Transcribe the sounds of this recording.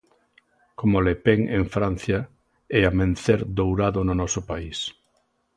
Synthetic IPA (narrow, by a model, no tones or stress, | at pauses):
komolepeŋḛŋfɾan̟θjɐ | ɛamẽn̟θeɾd̪owɾaðʊnʊnɔsʊpais